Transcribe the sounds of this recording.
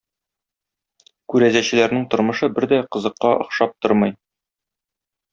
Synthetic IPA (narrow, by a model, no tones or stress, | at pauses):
kʉɾæzæɕɘ̆læɾnɘŋt̪ŏɾmɤ̆ʃɤbɘɾd̪æqɤ̆zɤ̆qːɑʔŏ̰χʃɑp̚t̪oɾmɤj